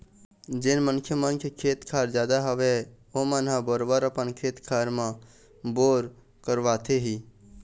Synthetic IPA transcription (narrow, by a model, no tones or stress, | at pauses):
d͡ʒɪnmənkʰjəmənkʰekʰeːt̪kʰaːɾd͡ʒjaːd̪aɦəʋe | omənɦabəɾbəɾəpənkʰeːt̪kʰaːɾmã | boːɾ | kəɾʋaːt̪ʰeɦiː